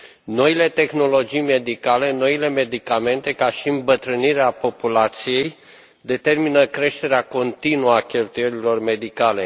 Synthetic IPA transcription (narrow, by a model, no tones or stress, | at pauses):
no̞ile̞t̪e̞xno̞lo̞d͡ʒijme̞d̪ikale̞no̞ile̞me̞d̪ikame̞nt̪e̞kaʃiɨmbət̪ɾɨniɾeapo̞pulat̪sije̞j | d̪e̞t̪e̞rminəkɾe̞ʃt̪e̞ɾeako̞nt̪inuakʲe̞lt̪uje̞ɾilo̞rme̞d̪ikale̞